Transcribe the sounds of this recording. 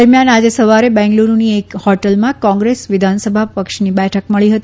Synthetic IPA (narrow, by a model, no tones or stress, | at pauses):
əɾmjanad͡ʒesəʋaɾebɛ̃ŋɡluɾuniekhɔʈəlmãkɔ̃ŋɡɾesʋɪd̪ʱansəbʱapəkʃnibɛʈʰəkməɭiɦət̪i